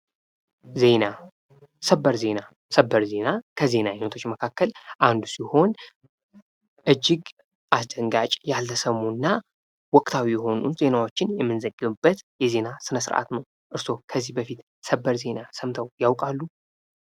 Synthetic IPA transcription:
ze̞na | səbːəɾze̞na | səbːəɾze̞nakʰəze̞najɪnət̪ʰo̞t͡ʃːməkʰakːəlʔand̪usiho̞n | ʔɨd͡ʒːɪɡ | ʔasd̪əŋɡat͡ʃʼjalːəsəmunːa | wɔkʼt̪ʰawijɛho̞nṵze̞nawo̞t͡ʃːɪnjɛmːɨnzəɡɨβɨbːət̪jɛze̞nasɨnəsɨɾʔa̰t̪nəw | ʔɨɾso̞kʰəzːihbəfit̪ | səbːəɾze̞nasəmt̪ʰəwjawkʼalːu

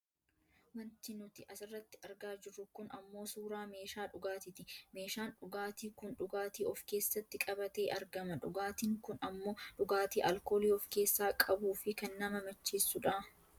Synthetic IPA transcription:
wɐnt̪ɪnʊt̪ɪʔɐsɪrːɐt̪ːɪ̥ɐɾɡaːd͡ʒɪrːʊkʊnɐmːo̞ːsuːɾaːme̞ːʃaːᶑʊɡaːt̪ɪt̪ɪme̞ːʃaːnᶑʊɡaːt̪iːkʊnᶑʊɡaːt̪iːʔɔfke̞ːsːɐt̪ːɪkʼɐbɐt̪e̞ːʔɐɾɡɐmɐᶑʊɡaːt̪iːŋkʊnɐmːo̞ːᶑʊɡaːt̪iːʔɐlko̞ːliːɔfke̞ːsːaːkʼɐbuːfɪkɐnːɐmɐmɐt͡ʃːiːsːʊᶑaː

